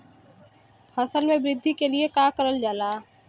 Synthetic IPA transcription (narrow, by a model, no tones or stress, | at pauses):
həsəlmẽbɾɪd̪ʱːikeliekaːkəɾəld͡ʒaːlaː